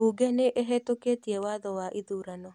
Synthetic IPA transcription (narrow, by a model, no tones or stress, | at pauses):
uɡeneʔeɦɛtoketiewaðɔwaʔiðuɾanɔ